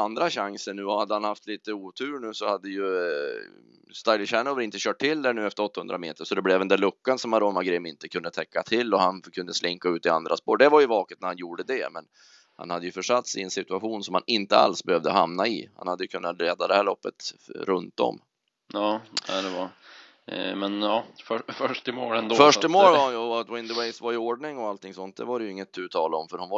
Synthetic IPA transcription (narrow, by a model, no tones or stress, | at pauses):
and̪ɾaɕaŋsəɳʉ̟ːɔhad̪ːəhanhaft̪ʰliːt̪əuːt̪ʰʉ̟ːɾɳʉ̟ːsɔhad̪ːəjɵ | st̪ajlɪɕænɔːvɾɪnt̪əɕœːʈʈʰːɪld̪æɳʉːɛft̪əɾɔt̪ːahɵnd̪ɾamḛːt̪əʂɔd̪ɛblɛvɛnd̪æɭɵkːansɔmaɾoːmaɡɾɪmɪnt̪əkʰɵnd̪ət̪ʰɛkːat̪ʰɪlːɔhankʰɵnd̪əslɪŋkaʉːt̪ɪa̰nd̪ɾʔaspoːɖɛvaɾjɵvɑːkət̪̚næɾhanjuːɖəd̪ɛmɛn | ha̰nhad̪ːəjɵfœʂat̪sɪɪɛnsɪt̪ɵaɧuːnsɔmhanɪnt̪əa̰lsbɛhøvd̪əɦamnaɪha̰nhad̪ːəjɵkʰɵnːat̪ɾeːd̪ad̪ɛhæːɭɔpːə̰t̪ɾɵnt̪dɔ̰mː | jɑːa̰d̪ɛva | mɛnjɑːfœfœʂʈɪmoːɾɛnd̪ofœʂɪmoːɾɔat̪wɪnd̪əwɛɪjsvaɾjʏoːɖɳɪŋɔalt̪ʰːɪŋsɔnt̪̚d̪ɛvaɾɛjɵɪŋːət̪ʰːʉ̟ːt̪ʰɑːlaɔmfœɾhʊnva